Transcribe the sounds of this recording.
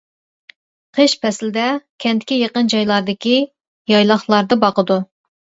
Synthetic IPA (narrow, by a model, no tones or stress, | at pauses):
qʰeʃpʰɛslɪd̪ɛkʲʰɛnt̪ɪkʲijeqənd͡ʒɑjlˠɑɾd̪ɪkʲi | jɑjlˠɑχlˠɑɾd̪ɨbɑqəd̪u